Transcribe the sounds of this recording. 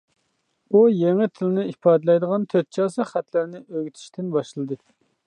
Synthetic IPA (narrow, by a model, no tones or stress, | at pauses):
ujeŋɪt̪ʰɪlɪnɪipʰɑːd̪ɨlˠɛjd̪əʁɑnt̪ʰøt̪̚t͡ʃʰɑːsɨχæt̪lɪɾnɪʔøɡʲyt̪ʰi̥ʃt̪ʰɪnbɑʃlˠɨd̪ɨ